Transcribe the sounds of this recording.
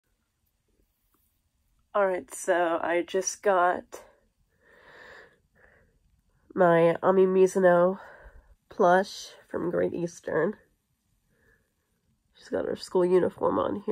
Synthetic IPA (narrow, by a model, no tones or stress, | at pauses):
ɑlˠɹaɪtsoʊa̰ɪd͡ʒʌsɡ̥ɑt̚ | maɪɑmimjʉzɨnoʊ | pʰl̥ʌʃfɹʌ̰̃mɡɹḛɪɾʔistʰə̰̃˞n | d͡ʒʌsɡ̥ɑ̰ɾə̰˞skulˠjʉnəfɔ̰ɹmə̰̃nhi